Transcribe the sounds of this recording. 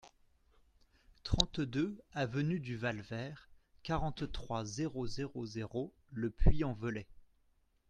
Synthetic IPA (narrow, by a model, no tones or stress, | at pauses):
t̪χɑ̃t̪d̪øavənyd̪yvalvɛːʁkaʁɑ̃t̪t̪χwazeʁozeʁozeʁo | ləpɥiɑ̃vəlɛ